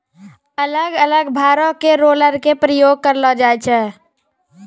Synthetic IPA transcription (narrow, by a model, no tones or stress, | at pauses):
ələɡələɡbʱaːɾõkeɾoːləɾkepɾəjoːɡ̚kəɾlɔd͡ʒaːɛt͡ʃʰɛː